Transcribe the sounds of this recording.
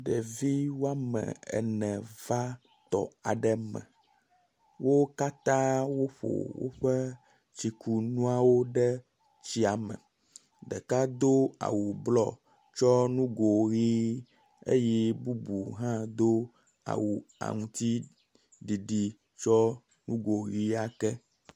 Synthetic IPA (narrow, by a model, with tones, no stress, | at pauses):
ɖɛ˨vi˦wo˦a˦mɛ̰̃˨ɛ̰˨nɛ̃˨va˦ | t̪ɔ̰˨a˨ɖɛ˦mɛ̰̃˨ | wo˦ka˦t̪ã˦wo˦ɸo̰˨wo̰˦ɸɛ˦ | t͡ɕi˨ku˨nũ˦a˦wo˦ɖɛ˦ | t͡ɕi˦a˨mɛ̰̃˨ | ɖɛ˨ka˦d̪o˦a̰˨wu˨blɔ˨ | t͡ʃɔ˦nũ˦ɡo˨ɣi˦ | ḛ˦jɛ˦bu˦bu˨ɦã˦d̪o˦ | a̰˨wu˨a̰˨ŋũ˦t̪i˦ | ɖi˨ɖi˨ | t͡ʃɔ˦ | nũ˦ɡo˨ɣi˦a˦kɛ˦